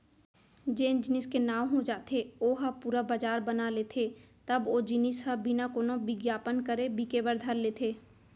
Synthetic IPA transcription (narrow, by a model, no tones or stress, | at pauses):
d͡ʒeːnd͡ʒɪnɪskenaːʋɦõd͡ʒaːt̪ʰeoːɦəpuːɾabad͡ʒaːɾbənaleːt̪ʰe | t̪ɐboːd͡ʒɪnɪsɦəbinakoːnobɪɡjaːpənkəɾebikebəɾd̪ʱəɾleːt̪ʰeː